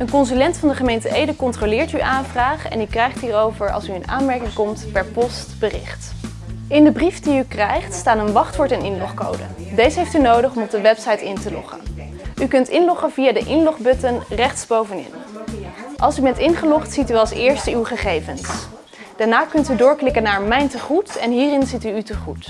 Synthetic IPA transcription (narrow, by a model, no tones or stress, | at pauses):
ənkɔnzylɛntfɑndəχəmejntəejdəkɔntrolɪːɹtyʔaːnvraːχɛ̰nykrɛjχtɦiːrowvəɹɑ̰lˠsyəna̰ːnmɛɹkɪŋkɔmtpɛɹpɔstbərɪ̰χt | ɪndəbrifdiykrɛjχtstaːtənʋɑχtʋʊɹtɛnɪnlɔχko̰wdə̰dejzəɦejftynowdəχɔmɔb̚dəʋɛpsɑjtɪntəlɔ̰χə̰n | ykɵntɪnlɔχəvijaːdəʔɪnlɔχbɵtənrɛχtsbowvənɪ̰n | ʔɑ̰lˠsybɛntɪnχəlɔχtsityɑlˠsɪːɹstəywχəχejvəns | d̥aːɹnaːkɵntydʊːɹklɪkənaːɹmɛjntəχutɛnɦiːrɪnzityːtəχut